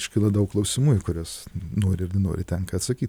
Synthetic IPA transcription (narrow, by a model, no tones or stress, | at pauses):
ɪʃʲkʲɪlˠɐd̪ɐʊkklˠɐʊsʲɪmuːjʊkʊɾʲoːsnoːɾʲɪɪɾnʲɪno̰ːɾʲɪt̪ʲɛŋkɐɐt̪sɐkʲiːt̪ʲ